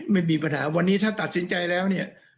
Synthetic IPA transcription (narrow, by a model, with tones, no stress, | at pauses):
ma˥˩jmiː˧pa˧nɦaː˩˦wa˧nːiː˦˥t̪ʰaː˥˩t̪a˨˩t̪̚si˨˩˦nt͡ɕa˧jlɛː˦˥wni˥˩ɐ